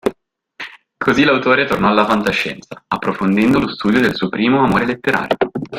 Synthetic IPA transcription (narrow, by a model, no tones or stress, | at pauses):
kʰozilawt̪oːɾet̪ornɔalːafant̪aʃːɛ̰nt̪saapːɾofond̪ɛnd̪olost̪uːd̪jod̪elsuːopɾiːmoamoːɾelet̪ːeɾa̰ːɾjo